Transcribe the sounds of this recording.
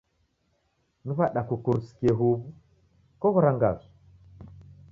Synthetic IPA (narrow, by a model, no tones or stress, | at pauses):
nuβaɗakukuɾusi̥keɦuβu | kɔɣuɾaŋɡa̰zu̥